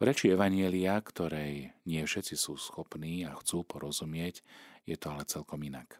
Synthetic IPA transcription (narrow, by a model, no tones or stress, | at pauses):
ʋɾɛt͡ʃiɛʋaɲɪɛliakt̪ɔɾɛjɲɪɛfʃɛt͡sisuːsxɔpniːaxt͡suːpɔɾɔzumɪɛcjɛt̪ɔalɛt͡sɛlkɔminak